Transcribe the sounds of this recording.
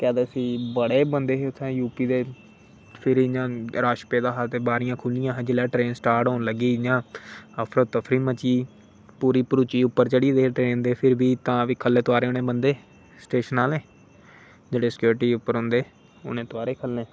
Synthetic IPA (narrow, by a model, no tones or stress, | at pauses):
kɛːd̪eːəsĩːbəɽeːbənd̪eːɦʊt̪ʰːẽːjuːpiːd̪eː | pʰɪɾid͡ʒãːɾaːʃpeːd̪aːɦaːt̪ebaːɾɪjãːkʰʊlɪjãːɦd͡ʒɪlɛːʈɾeːnsʈaːɾʈɦoːnləɡiːd͡ʒãːəpʰɾot̪əpʰɾiːmət͡ʃiː | puːɾiːpəɾuːt͡ʃiːʊpːəɾt͡ʃəɽiːd̪eːʈɾeːnd̪eːpʰɪɾbiːt̪ãːʋiːkʰəlːẽːt̪ʊaːɾeːʊnẽːbənd̪eː | sʈeːʃənaːlẽː | d͡ʒeːɽeːsɪ̥kjuːɾɪʈiːʊpːəɾɦʊ̃nd̪eː | ʊ̰nẽːt̪oaːɾeːkʰəlːẽː